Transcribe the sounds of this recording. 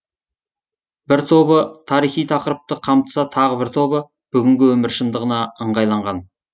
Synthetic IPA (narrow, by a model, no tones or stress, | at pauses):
bɪɾt̪ʰo̞bət̪ʰɑɾijχijt̪ʰɑqəɾəp̚t̪əqʰɑmt̪ə̥sɑt̪ʰɑʁəbɪɾt̪ʰo̞bə | b̥ʏɡʲɪŋɡʲɪwɵmɪɾʃənd̪əʁənɑəɴʁɑjlˠɑɴʁɑn